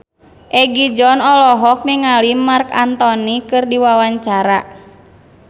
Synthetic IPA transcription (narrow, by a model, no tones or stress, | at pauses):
ʔɛɡid͡ʒɔnɔlɔɦɔk̚niŋalimarka̰nt̪ɔnikɨrdiwawaɲt͡ʃaɾa